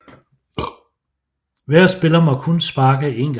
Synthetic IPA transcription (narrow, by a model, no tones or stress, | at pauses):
ʋæɐ̰sb̥e̝lɐmɒ̽kʰɔnsb̥ɑ̈ːɡ̥əe̝̰nɡ̥